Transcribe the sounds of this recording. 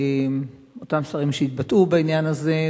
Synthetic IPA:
m | o̞tamsvaʁimʃeit̪batubainjanaze̞

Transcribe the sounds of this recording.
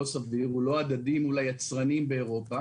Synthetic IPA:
osaviʁulo̞ad̪ad̪imulajat͡sʁanimbe̞ːʁo̞pa

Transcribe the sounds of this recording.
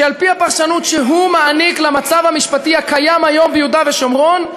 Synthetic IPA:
alpiapaʁʃanut̪ʃeɦumaaniklamat͡savhamiʃpat̪iakajamajo̞mbejud̪aveʃomʁon

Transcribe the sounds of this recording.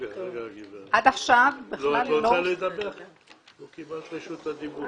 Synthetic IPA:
ʔad̪aχʃavbeχlalːoalojd̪abeχ | lokibalt̪eʃut̪ad̪ibu

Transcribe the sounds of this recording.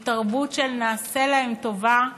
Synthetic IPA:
taʁbutʃelnaːse̞laemto̞va

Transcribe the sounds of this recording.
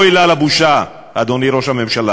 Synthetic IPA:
ilalabuʃa | ad̪o̞niɾo̞ʃhame̞mʃala

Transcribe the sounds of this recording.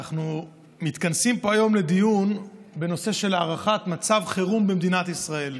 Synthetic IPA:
aχnu | mit̪kansimpo̞ajo̞mle̞d̪ijunbe̞no̞se̞ʃe̞laːʁaχat̪mat͡savχeʁumbemd̪inat̪isʁae̞l

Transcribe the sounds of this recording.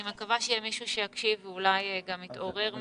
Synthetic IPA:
imekavaʃejɛmiʃuʃejakʃivulajɡamit̪o̞ʁe̞ʁm

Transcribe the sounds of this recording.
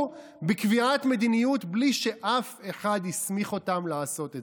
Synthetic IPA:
bikviatme̞d̪inijutbliʃe̞ʔafe̞χadhismiχo̞tamlaːso̞te

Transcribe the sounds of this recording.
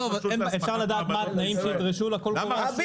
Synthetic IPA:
ovefʃaʁlad̪aːt̪maat̪naimʃeid̪ʁiʃulakol

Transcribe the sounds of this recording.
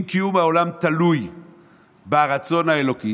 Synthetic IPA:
kijumaolamt̪aluj | baʁat͡so̞nhaelo̞ki

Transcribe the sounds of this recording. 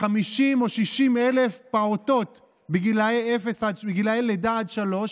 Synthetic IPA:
χamiʃimo̞ʃiʃimelefpaoto̞t | beɡilaeefesadbeɡilaeledaadʃalo̞ʃ

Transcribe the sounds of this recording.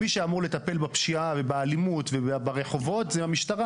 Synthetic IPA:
miʃeamuʁle̞t̪ape̞lbapʃiave̞baalimut̪vebaʁe̞χo̞vo̞tzɛamiʃt̪aʁa

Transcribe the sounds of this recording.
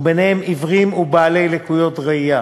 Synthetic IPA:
benehemivʁimubaːle̞jlekujo̞tʁaija

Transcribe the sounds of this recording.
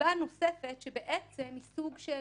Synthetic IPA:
ano̞sefetʃebeʔet͡semhisuɡʃe

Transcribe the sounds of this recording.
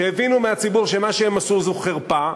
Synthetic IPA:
eevinumeat͡sibuʁʃemaʃeemasuzuχeʁpa

